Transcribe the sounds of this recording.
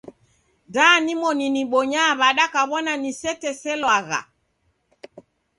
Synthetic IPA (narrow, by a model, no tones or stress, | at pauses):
daːnimɔniniɓɔɲaβaɗakaβɔnanisɛtɛsɛlwaɣa̰